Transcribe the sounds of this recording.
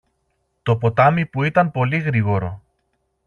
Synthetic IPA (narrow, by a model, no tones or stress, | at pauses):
t̪o̞po̞t̪ɐmipuit̪ɐmpo̞liɣɾiɣo̞ɾo̞